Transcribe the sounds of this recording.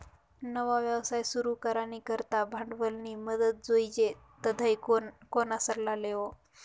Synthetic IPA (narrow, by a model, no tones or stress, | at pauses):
nəʋaʋjaʋsajsuɾukəɾanikəɾt̪abʱaɳɖʋəlniːməd̪ət̪̚d͡zoid͡ʑe | t̪əd̪ʱəjkonasəɾlaleʋo